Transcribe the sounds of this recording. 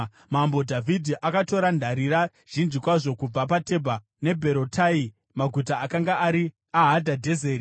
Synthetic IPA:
mambo̞dʱavʱidʱiʔakato̞ɾandʱaɾiɾa | ʒ̥ind͡ʒikwaʐo̞kub͡vapate̞bʱa | ne̞bʱe̞ɾotʰai | maɡʱutaːkaŋɡaʔːɾi | aɦadʱadʱe̞zeːɾi

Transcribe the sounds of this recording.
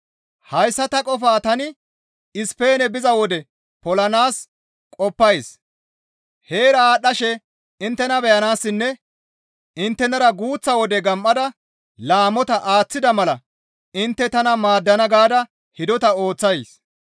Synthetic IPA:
hɐjsːɐt̪ɐkʼɔfaːt̪ɐnɪ | ɪspe̞ːnɛbɪzɐwɔd̪ɛ | pɔlɐnaːs | kʼɔpːɐjs | he̞ːɾɐaːɗːɐʃɛ | ɪnt̪ːɛnɐbɛjɐnaːsːɪnːɛ | ɪnt̪ːɛnɐɾɐɡuːt͡sːɐwɔd̪ɛɡɐmʔːɐd̪ɐ | laːmɔt̪ɐʔaːt͡sːɪd̪ɐmɐlɐ | ɪnt̪ːɛt̪ɐnɐmaːd̪ːɐnɐɡaːd̪ɐ | hɪd̪ɔt̪ɐo̞ːt͡sːɐjs

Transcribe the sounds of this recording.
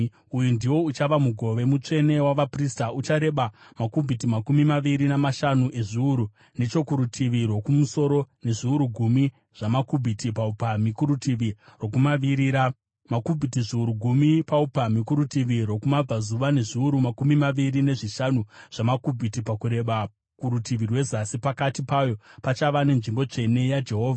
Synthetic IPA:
ujundiwo̞ut͡ʃaʋamuɡʱo̞ʋe̞mut͡ʂe̞ne̞waʋapristaut͡ʃaɾe̞ɓamakubʱitimakumimaʋiɾinamaʃanuʔe̞ʐiuɾu | ne̞t͡ʃo̞kuɾutʰiʋiɾwo̞kumuso̞ɾo̞ne̞ʐiuɾuɡʱumi | ʐ̥amakubʱitipaupamikuɾutiʋiro̞kumaʋiɾiɾa | makubʱitiʐiuɾuɡʱumipaupamikuɾutiʋirwo̞kumab͡vazuʋane̞ʐiuɾumakumimaʋiɾine̞ʐiʃanuʐ̥amakubʱitipakuɾe̞ɓa | kuɾutiʋirwe̞zasipakatipajo̞pat͡ʃaʋane̞nʐimbo̞t͡ʂe̞ne̞jad͡ʒe̞ɦo̞ːvʱaa

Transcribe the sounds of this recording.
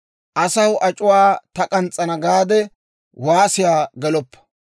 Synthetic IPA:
ʔɐsɐwʔɐt͡ʃʼʊwaːt̪ɐkʼɐnt͡sʼːɐnɐɡaːd̪ɛ | waːsɪjaːɡɛlɔpːɐ̥

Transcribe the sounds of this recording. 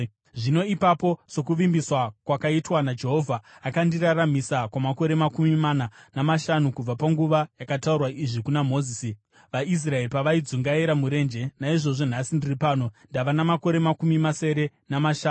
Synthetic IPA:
ʐino̞ipapo̞so̞kuʋimbiswakwakaitwanad͡ʒe̞ɦo̞ːvʱaːkandiraramisakwamako̞ɾe̞makumimananamaʃanukub͡vapaŋɡuʋajakataurwaʔiʐikunamo̞ːzisi | ʋais̬rae̞ripaʋaid͡zuŋɡaiɾamuɾe̞nd͡ʒe̞naiʐo̞ʐo̞nasindiripaːno̞ndaʋanamako̞ɾe̞makumimase̞ɾe̞ | namaʃaːnu

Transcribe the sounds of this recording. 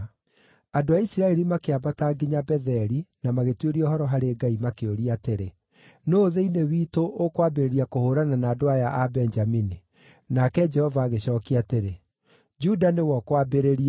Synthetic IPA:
adoaisiɾaɛɾimakeabataɡeɲabɛðɛɾinamaɣetweɾiɔɦɔɾɔɦaɾeːɡaimakeoɾiateɾe | noːðeinewiːtoʔokwabeɾeɾiakohoːɾananaːdoajaʔabɛnd͡ʒamini | nakɛd͡ʒɛhɔvaːɣeɕɔːkiateɾe | d͡ʒudanewɔkwabeɾeɾia

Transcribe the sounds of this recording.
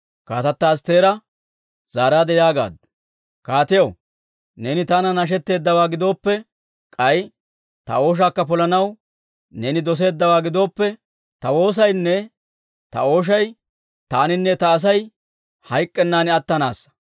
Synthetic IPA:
kaːt̪ɐt̪ːɐst̪e̞ːɾɐ | zaːɾaːd̪ɛjaːɡa̰ːd̪ʊ̥ | kaːt̪ɪjɐw | nɛnɪt̪anɐnɐʃ̬ɛt̪ːe̞ːd̪ːɐwaːɡɪd̪o̞ːpːɛ | kʼɐj | t̪ɐ̰o̞ːʃ̬aːkːɐpɔlɐnɐw | nɛnɪd̪ɔs̬e̞ːd̪ːɐwaːɡɪd̪o̞ːpːɛ | t̪ɐwo̞ːs̬ɐjnːɛ | t̪ɐ̰o̞ːʃ̬ɐj | t̪aːnɪnːɛt̪ɐːs̬ɐj | hɐjkʼːɛnːaːnɪɐt̪ːɐnaːsːɐ̥

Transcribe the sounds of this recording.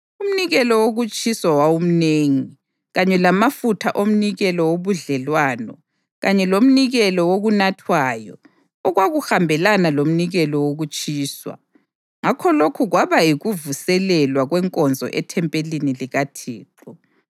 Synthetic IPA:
um̩niɣɛlɔwoɣut͡ʃʼiswawawum̩neːŋi | ɣaɲɛlamafutʰaʔom̩niɣɛlɔwoβuɮɛlwaːnɔ | ɣaɲɛlom̩niɣɛlɔwoɣunatʰwaːjɔ̰ | ɔɣwaɣuxambʱɛlanalom̩niɣɛlɔwoɣut͡ʃʼiːswa̰ | ŋakʰɔlokʰuɣwaβaiɣuvusɛlɛlwaɣwɛŋkʼɔnd͡zʱɔ̰ʔɛtʰɛmpʼeliniliɣatʰiːǃɔ

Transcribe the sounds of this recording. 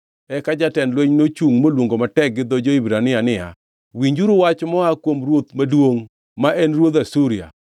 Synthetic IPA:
ɛkad͡ʒatɛnlweɲnot͡ʃuŋmolwoŋɡomatɛk̚ɡɪd̪ɔd͡ʒoibɾanɪanɪa̰ | wiɲd͡ʒuɾuwat͡ʃmɔakwomɾwot̪madwoŋ | maʔɛnɾwod̪asuɾɪa̰

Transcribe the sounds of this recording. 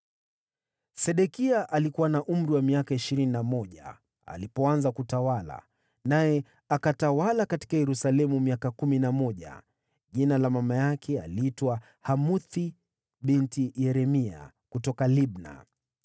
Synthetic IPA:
sɛɗɛkiaʔalikuwanaʔum̩ɾiwamiakaiʃiɾininamɔʄa̰ | a̰lipɔanzakutawala̰ | najɛ | akatawalakati̥kajɛɾusalɛmumiakakuminamɔʄa̰ | ʄinalamamajakʰɛalitwa | hamuθi | ɓintijɛɾɛmia̰ | kutɔkaliɓna̰

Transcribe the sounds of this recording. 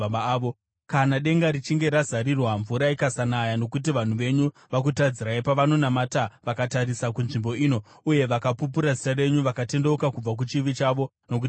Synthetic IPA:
ʋo | kanaɗe̞ŋɡaɾit͡ʃiŋɡe̞ɾazaɾirwaɱvuɾaikasanajano̞kut̬iʋan̤uʋe̞ɲu | ʋak̬utad͡ziɾaipaʋano̞namataʋakataɾisakunʐimbo̞iːno̞ | uje̞ʋakapup̬uɾazitare̞ɲuʋakate̞ndeukakub͡vak̬ut͡ʃiʋit͡ʃaʋo̞ | no̞k̬u

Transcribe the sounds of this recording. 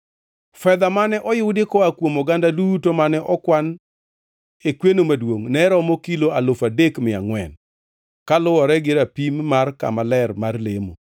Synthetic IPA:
fɛd̪amanɛʔɔjʊwdɪkɔakwomɔɡandadutomanɛʔɔkwan | ekwenomadwoŋnɛɾɔmɔkiloalofadekmɪa̰ŋwɛn | kalʊwɔɾɛɡɪɾapimːarka̰malɛɾmarlemo̰

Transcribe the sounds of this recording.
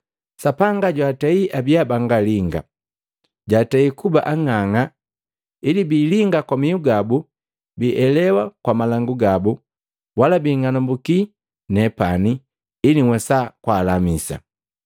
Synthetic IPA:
sapaŋɡaɟwataiʔabiabaŋɡaliŋɡa̰ | ɟataikuba̰ʔaŋaŋa | ilibiːliŋɡakwamiuɡabu | biʔɛlɛwakwamalaŋɡuɡabu | walabiːŋanɔmbuki | nɛpaniː | liŋwɛsakwaːlamisa̰

